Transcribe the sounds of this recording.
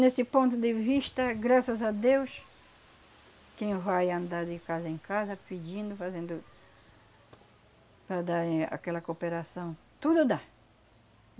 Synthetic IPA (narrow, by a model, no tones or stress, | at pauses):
nesɪpõnt̪ʊd̪eviʃt̪ɐɡɾasɐzad̪ews | kẽj̃vajãnd̪aɾd̪ɪkazɐẽŋkazɐpid͡ʒĩnd̪ʊfazẽnd̪ʊ | pɾad̪aɾa̰kɛlɐkopeɾasɐ̃w̃ | t̪ud̪ʊd̪a